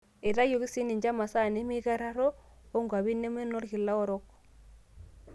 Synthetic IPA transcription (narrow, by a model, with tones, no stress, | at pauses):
e˨ɾa˦jo˨ɣi˦si˦ni˨ɲd͡ʒa˦ma˨sa˦˨ne˨˦mi˦ɣa˦ɾa˦ɾo˦o˦ŋɡwa˨βi˦ne˦me˦no˦ɾhi˨la˦ɔ˦ɾɔ˦k